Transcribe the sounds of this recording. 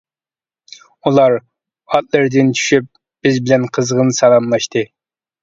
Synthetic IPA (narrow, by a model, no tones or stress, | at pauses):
ulˠɑɾ | ɑt̪̚lˠɨɾd̪ɨnt͡ʃʰy̥ʃyp̚ | b̥ɪzbɪlɛnqʰəzʁənsɑlˠɑmlˠɑʃt̪ʰɨ